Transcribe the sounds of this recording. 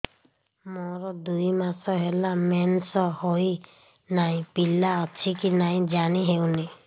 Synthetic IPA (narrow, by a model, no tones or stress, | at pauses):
mɔɾɔd̪ujmasɔɦelamensɔhoj | naj̃pilaɔt͡ʃʰikinaj̃d͡ʒaniɦewni